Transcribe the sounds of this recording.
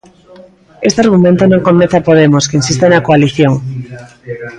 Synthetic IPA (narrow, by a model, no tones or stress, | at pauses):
est̪eaɾɣumẽnt̪onõŋkomeθapoð̞emoskeinsist̪enakoaliθjoŋ